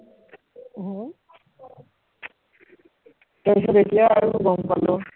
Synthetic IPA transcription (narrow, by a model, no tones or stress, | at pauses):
ɦ | tajsɔtetijaːɹuɡɔmpalɔ